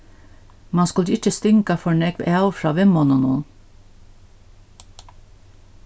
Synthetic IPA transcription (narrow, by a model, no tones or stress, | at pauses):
mɑnskʉlɪt͡ʃəst̪ʏŋkɑfɔɳɛkæʊfɾɑːʋɛmɔnɔnuːn